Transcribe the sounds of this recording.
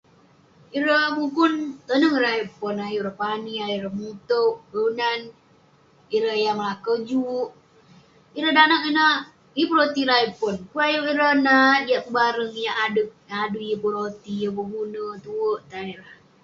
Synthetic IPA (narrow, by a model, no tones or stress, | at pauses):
iɾəmukunt̪ənəŋiɾaaipʊnajuɾəhpaniajuɾəhmut̪əʔɡəunan | iɾəjaməlakəd͡ʒuʔ | iɾədanakinə | iəpuɾot̪iɾaipʊnkuajuʔiɾənadiaʔkubaɾəŋjaʔadək | aduijəpuɾot̪ijəbəɡunət̪uəʔt̪aniɾah